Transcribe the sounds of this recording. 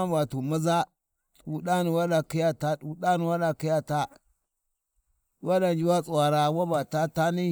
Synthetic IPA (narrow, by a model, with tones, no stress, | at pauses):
a˦ba˨tu˨ma˦za˦ | tu˨ɗa˦ni˨wa˦da˨ki˦ja˦ta˦ɗu˨ɗa˦ni˨wa˦ɗa˨ki˦ja˦ta˦ | wa˦da˨nd͡ʒi˦wa˦t͡sʼu˨wa˨ɾa˨wa˦ba˨ta˦ta˦ni˦